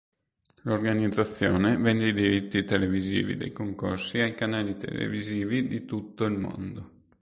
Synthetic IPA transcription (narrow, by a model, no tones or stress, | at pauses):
lorɡanid̪zːat̪sːjɔːnevɛnd̪eid̪iɾit̪ːit̪elevizḭːvḭd̪ḛjkoŋkorsiajkanaːlit̪ḛlḛviziːvid̪it̪ut̪ːoilmo̰nd̪o